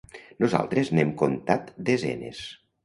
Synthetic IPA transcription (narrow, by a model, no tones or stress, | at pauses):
noza̰lˠt̪ɾeznemkont̪at̪d̪ezɛ̰nḛs